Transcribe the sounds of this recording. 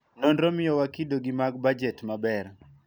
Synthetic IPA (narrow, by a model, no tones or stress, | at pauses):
nondɾomɪjɔwakidoɡimaɡ̚bad͡ʒɛtmabɛr